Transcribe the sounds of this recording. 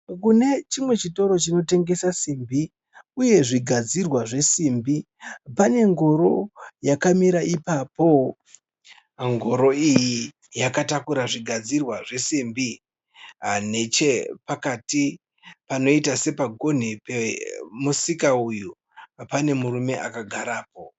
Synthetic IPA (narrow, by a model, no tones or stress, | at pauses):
kune̞t͡ʃimwe̞t͡ʃito̞ɾo̞t͡ʃino̞te̞ŋɡe̞sasimbi | uje̞ʐiɡʱad͡zirwaʐe̞simbi | pane̞ŋɡo̞ɾo̞jakamiɾaʔipapo̞ | ŋɡʱo̞ɾo̞iji | jakatakuɾaʐiɡʱad͡zirwaʐe̞simbi | ane̞t͡ʃe̞pakati | pano̞itase̞paɡʱo̞n̤ipemusikauju | pane̞murume̞ʔakaɡʱaɾaːpo̞